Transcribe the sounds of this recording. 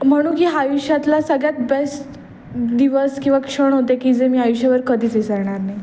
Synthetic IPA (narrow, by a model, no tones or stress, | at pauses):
m̤əɽ̃uːkiːɦaːjuɕjat̪lasəɡɭjat̪besʈ | d̪iʋəskĩw̃ʋakʂəɳɦot̪ekiːd͡zemiːajuɕjaʋəɾkəd̪ʱiːt͡sesaɾɳ̃aɾnaj